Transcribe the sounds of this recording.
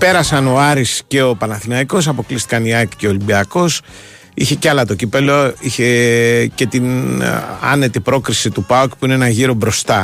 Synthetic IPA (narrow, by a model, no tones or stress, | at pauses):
pe̞ɾɐsɐno̞ɐɾisce̞o̞pɐnɐθinɐiko̞s̬ɐpo̞klist̪i̥kɐniɐkce̞olimbiɐko̞s | içe̞ceɐlɐt̪o̞cipe̞lo̞içe̞ce̞t̪in | ɐ̰ne̞t̪ipɾo̞kɾisit̪upɐukpuineenɐʝiɾo̞bɾo̞st̪ɐ